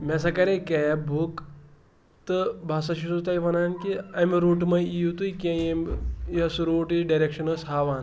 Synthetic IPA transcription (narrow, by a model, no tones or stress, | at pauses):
mɛsɐkɐɾekejbʱuk | t̪ɨbʱaːs̬ɐʃisut̪ajʋɐnaːnkiɐmɾuːʈmɐjiut̪ujkiɐ̃jemjɐsɾoːʈiɖaɾekʂɐnɐsɦaːʋaːn